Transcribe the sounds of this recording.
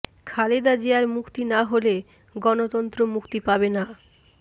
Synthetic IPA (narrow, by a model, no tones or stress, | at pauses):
kʰaled̪ad͡ʑeaɾmukt̪inaɦole | ɡɔnot̪ɔnt̪ɾomukt̪ipabena